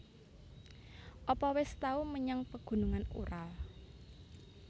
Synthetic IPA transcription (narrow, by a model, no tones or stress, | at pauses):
ʔɔpɔwɪst̪auməɲaŋpəɡ̥ṳnuŋanṵɾal